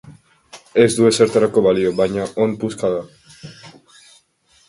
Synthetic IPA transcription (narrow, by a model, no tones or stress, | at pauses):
e̞zd̪ue̞se̞ɾt̪aɾako̞βalio̞βajɲaʔompuskaða